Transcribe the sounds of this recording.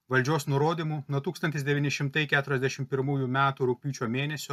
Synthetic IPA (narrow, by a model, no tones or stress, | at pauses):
ʋɐlʲd͡ʒʲoːsnʊɾoːd̪ʲiːmuːnuɔt̪uːkst̪ɐnt̪ʲɪsd̪ʲɛʋʲiːnʲɪʃʲɪmt̪ɐɪkʲæːt̪ʊɾʲɛzʲd̪ʲæʃʲɪmpʲɪɾmuːjumʲæːt̪uːɾʊk̚pʲuːt͡ʃʲoːmʲeːnʲɛsʲo